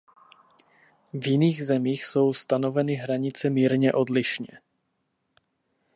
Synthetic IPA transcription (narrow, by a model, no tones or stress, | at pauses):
vjɪniːɣzɛmiːxso̞wst̪ano̞vɛnɪɦɾaɲɪt͡sɛmiːɾɲɛʔo̞dlɪʃɲɛ̰